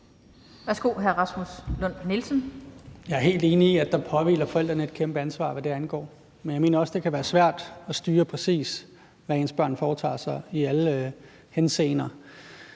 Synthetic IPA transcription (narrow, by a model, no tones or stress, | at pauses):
ʋæɐsɡ̥o̝ɦæɐʁɑ̈smuslɔn̰nilsən̩jɑ̈ɪæɐɦe̝̰ːld̥e̝ːniːæd̥ɑ̈pʰɒ̽ʋḭːlɐfɒ̽el̰d̥ʁɐnəe̝d̥̚kʰemb̥əænsʋɑ̰̈ːʋæd̥e̝ænɡ̥ɒ̰ː | menjɑ̈me̝ːnɐɒ̽sd̥e̝kʰæʋæːɐsʋæɐ̰d̥ɒ̽sd̥yːɐpʰʁɛsḭːs | ʋæensb̥ɶɐ̰nfɒːt͡sʰɑ̰̈ːsɑ̈ɪiælə | hensḛːnɐ